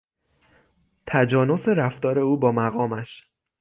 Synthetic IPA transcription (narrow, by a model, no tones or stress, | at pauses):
t̪ʰæd͡ʒɒːno̞seɾæft̪ɒːɾe̞uːbɒːmæɣɒːmæʃ